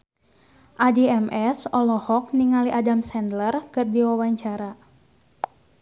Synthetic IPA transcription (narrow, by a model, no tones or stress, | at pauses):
ʔadiɛmɛsɔlɔhɔk̚niŋaliʔadamsɛndlərkɨrdiwawaɲt͡ʃaɾa